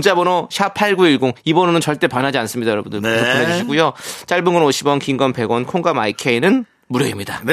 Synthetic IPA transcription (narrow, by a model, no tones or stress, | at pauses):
ŋt͡ɕ͈abonoɕʰapʰaɭɡuiɭɡoŋibʌnɯnɯnt͡ɕʌɭt͈e̞pwanɦad͡ʑians͈ɯmɲidajʌɾʌbundɯɭeneɕʰiɡujot͡ɕ͈aɭbɯŋɡʌnoɕʰibwʌnkiŋɡʌnpe̞ɡwʌnkʰoŋɡamaikʰe̞inɯn | muɾjʌɡimɲida